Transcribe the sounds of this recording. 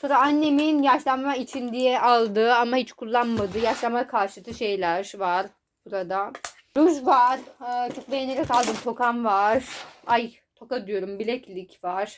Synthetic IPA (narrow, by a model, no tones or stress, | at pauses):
soɾaanːe̞minjaʃlˠammait͡ʃʰind̪ijɛalˠd̪ɯamahit͡ʃkʰulˠːanmad̪ɯjaʃlˠamakʰaɾʃɯt̪ʰɯʃe̞jlʲæɾvaɾ̥ | b̥uɾad̪a | ɾuzvaɾ̥t͡ʃʰo̞k̚bejeneɾɛkalˠd̪ɯmt̪ʰo̞kamvaɾ̥aj | t̪ʰo̞kad̪yjo̞ɾumbilʲɛclʲicvaɾ̥